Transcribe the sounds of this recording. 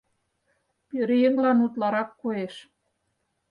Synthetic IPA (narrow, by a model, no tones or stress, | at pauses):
pøɾijeŋlɑnut̪lɑɾɑkːoeʃ